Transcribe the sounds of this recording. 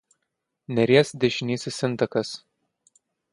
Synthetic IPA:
nʲɛɾʲeɛsd̪ʲeʃʲɪnʲiːsʲɪsʲɪnt̪ɐkɐs

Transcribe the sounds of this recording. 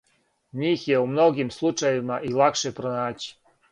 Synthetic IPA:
ɲiːxjeumno̞ɡimslˠut͡ʃajeʋimaʔilˠakʃepɾonaːt͡ɕi̥

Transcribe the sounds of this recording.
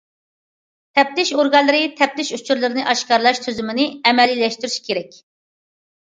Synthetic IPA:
t̪ʰɛp̚t̪ɪʃoɾɡɑnlːˠɨɾɨt̪ʰɛp̚t̪ɪʃut͡ʃʰuɾlˠɨɾnɨʔɑʃkɑɾlˠɑʃt̪ʰøzymɪnɪɛmɛlːilːɛʃt̪yɾyʃkʲʰeɾɛkʲ

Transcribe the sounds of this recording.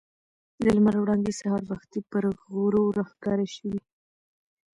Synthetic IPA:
d̪əlmaɾawɽɑŋɡ̪esahɑɾbaxt̪ipəɾɣɾoɾaxɡɑɾaʃəwi

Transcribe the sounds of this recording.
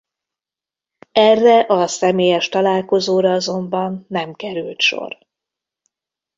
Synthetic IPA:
ɛrːɛʔɒsɛmeːjɛʃt̪ɒlaːlko̞zoːɾɒɒzo̞mbɒnːɛmkɛɾylt̪ʃo̰r

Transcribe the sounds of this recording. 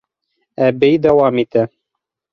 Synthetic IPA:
æbɘjd̪æwɑmit̪æ

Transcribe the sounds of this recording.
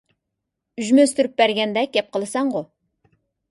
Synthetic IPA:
yʒmøst̪yɾyp̚bæɾɡʲɛnd̪ɛɡʲɛp̚qʰəlˠɨsɑŋʁʊ

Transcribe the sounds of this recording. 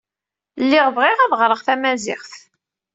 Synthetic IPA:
lːɪʁvʁɪʁæðʁɾˤəʁθæmæzɪ̰χθ

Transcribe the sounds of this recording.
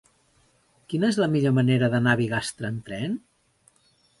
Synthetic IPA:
kinəezləmiʎoməneɾəðənaβiɣast̪ɾəːnt̪ɾɛn

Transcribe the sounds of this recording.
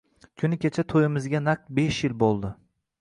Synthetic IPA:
kʲʰʊnɪkʲʰet͡ʃʰat̪ʰojɪmɪzɡʲanaq̚t̪be̞ʃjɪlbolˠd̪ɪ

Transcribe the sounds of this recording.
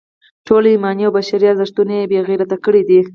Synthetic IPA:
ʈolaimɑniawbaʃaɾiazɪʃt̪unejebeɣiɾat̪akəɽid̪i

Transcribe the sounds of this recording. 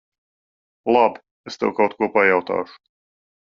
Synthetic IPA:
lˠab | est̪ɛ̰wkawt̪kuɔpajawt̪a̰ːʃʊ̥

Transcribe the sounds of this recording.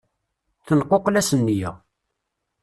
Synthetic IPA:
θənqːoqlæsənːijæ̰

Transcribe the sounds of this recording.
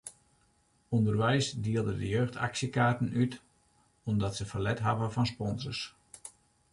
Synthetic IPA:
undərʋɛjsdiəlˠdədəjøːxtʰa̰ksjəkaːrtən̩yt | ondɔtsəfərlɛtɦavəfɔnspɔnzərs

